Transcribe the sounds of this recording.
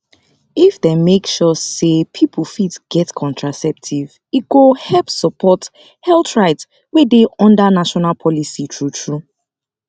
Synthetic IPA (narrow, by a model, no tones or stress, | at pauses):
ifdemekʃɔsepʰipʰəlfitsɡ̥ɛtkʰɔ̃ntʰɹasɛp̚tʰiv | it̚ɡ̥ohɛpsəpʰɔt | hɛltɹaɪts | wedeʔɔ̃ndanaʃɔnalpʰɔlisitʰɹutʰɹu